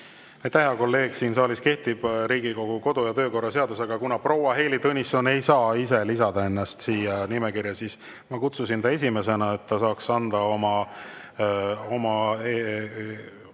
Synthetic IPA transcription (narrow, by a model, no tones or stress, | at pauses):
ɑjt̪ːæheɑko̞lːe̞ːɡ̥siːnsɑːliske̞ht̪ib̥ɾiːɡ̥iko̞ɡ̥uko̞d̪̥ujɑt̪ø̞ːko̞rːɑse̞ɑd̪use̞ɡ̥ɑkunɑpro̞wɑɦe̞ːlit̪ɤnʲiso̞ne̞jsɑːise̞lisɑd̪̥ɑe̞nːɑst̪siːjɑnimekirjɑsis | mɑkut̪susint̪ɑes̬ʲime̞se̞nɑe̞t̪ːɑsɑːksɑnd̪̥ɑo̞mɑ | o̞mɑe